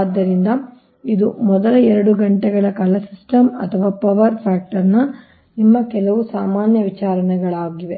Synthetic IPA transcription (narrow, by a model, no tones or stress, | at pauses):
d̪ːɐɾind̪ɐ | id̪umɔd̪ɐlɐɛɾɐɽuɡɐɳʈɛɡɐɭɐkɐlɐsisʈɐmɐ̰t̪ʰɐʋaːpɐʋɐɾpʰaːk̚ʈɐɾnɐ | nimːɐkɛlɐʋusaːmaːnjɐʋit͡ʃaːɾɐnɛɡɐɭaːɡiʋe